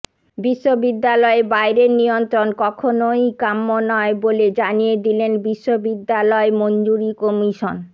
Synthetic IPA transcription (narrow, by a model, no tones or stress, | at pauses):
biʃːobid̪ːalɔebajɾeɾnijont̪ɾonkɔkʰonojkamːonɔeboled͡ʑanijed̪ilenbiʃːobid̪ːalɔemond͡ʑuɾikomiʃon